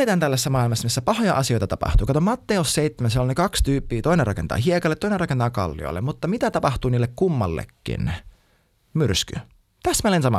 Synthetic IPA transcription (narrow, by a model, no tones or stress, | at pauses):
et̪ænælːæsːæmɑˑilmɑsːɑmisːæpɑhojɑ̰ʔɑsio̞jt̪ɑt̪ɑpɑ̰ht̪uːkɑt̪omɑt̪ːeosseit̪ːemænsielːnekɑkst̪yːpːiːt̪oinerɑ̰kent̪ɑ̰ːɦiekɑlːet̪ːoinerɑkent̪ɑːkɑ̰lːḭo̰lːḛmut̪ːɑmit̪æt̪ɑpɑxt̪uːniːlːekkumːɑlːḛkːḭn | myrsky̰ | t̪æst̪mælensɑmɑ̰